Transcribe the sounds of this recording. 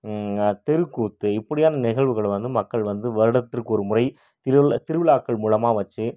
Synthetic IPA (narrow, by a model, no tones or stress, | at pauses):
t̪ɛɾɯkːuːt̪ːɯɪpːɐɽɪjaːnɐnɪɣɐɭʋɯɣɐɭʋɐnd̪ɯmɐkːɐɭʋɐnd̪ɯʋɐɾɯɽɐt̪ːɪrkːɯɔɾɯmʊrɐɪ | t̪ɪɾt̪ɪɾɯʋɪɭaːkːɐɭmuːɻɐmaːʋɐt͡ʃːɯ